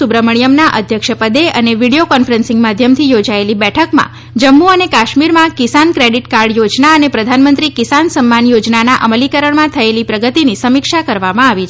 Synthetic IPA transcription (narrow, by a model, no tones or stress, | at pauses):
ubɾəməɳijəmnaʔə̰d̪ʱjəkʃəpəd̪eəneʋiɽijokɔnfəɾə̃nsɪ̃ŋɡmad̪ʱjəmt̪ʰijod͡ʒaelibɛʈʰəkmã̰ | d͡ʒəmːuənekaʃmiɾmãkɪsankɾeɖiʈkaɾɖjod͡ʒnaənepɾəd̪ʱanmə̃nt̪ɾikɪsansəmːanjod͡ʒnanaʔəməlikəɾəɳmãt̪ʰəelipɾəɡət̪inisəmikʃakəɾʋamãaʋit͡ʃʰ